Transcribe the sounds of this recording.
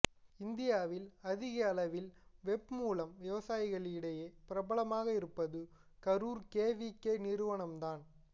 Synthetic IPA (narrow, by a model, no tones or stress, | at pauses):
ɪnd̪ɪjaːʋɪlɐðɪɣɐɐlɐʋɪlʋɛb̚muːlɐmʋɪʋɐsaːjɪɣɐɭɪɽɐjeːpɪɾɐbɐɭɐmaːɣɐɪɾɯpːɐðɯ | kɐɾuːɾkeːʋikːeːnɪɾɯʋɐɳɐmd̪aːn